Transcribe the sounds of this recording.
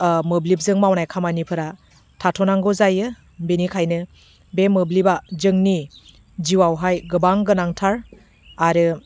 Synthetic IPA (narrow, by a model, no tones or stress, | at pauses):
mɯblip̚zɯŋmawnajkʰamanipʰɯɾa | tʰatʰɔnaŋɡɔzajɯ | binikʰajnɯ | bemɯblibazɯŋni | ziwawɦajɡɯbaŋɡɯnaŋtʰaɾ | aɾɯ